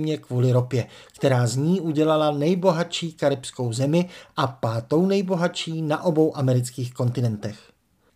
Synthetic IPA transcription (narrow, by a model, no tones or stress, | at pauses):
mɲɛkvuːlɪɾo̞pjɛkt̪ɛɾaːzɲiːʔuɟɛlalanɛjbo̞ɦat͡ʃiːkaɾɪpsko̞wzɛmɪʔapaːt̪o̞wnɛjbo̞ɦat͡ʃiːnaʔo̞bo̞wʔamɛɾɪt͡skiːxko̞nt̪ɪnɛnt̪ɛx